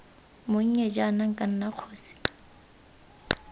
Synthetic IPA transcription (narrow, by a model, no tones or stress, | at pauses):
mʊŋ̩ɲɛd͡ʒanaŋ̩kʼan̩naq͡χʰoːsi̥